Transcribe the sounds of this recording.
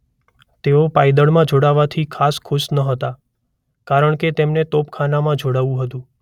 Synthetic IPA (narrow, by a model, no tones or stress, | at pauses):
t̪eopajd̪əɭmãd͡ʒoɽaʋat̪ʰikʰaskʰʊʃnəɦət̪a | kaɾəɳket̪emnet̪opkʰanamãd͡ʒʱoɽaʋũɦət̪ũ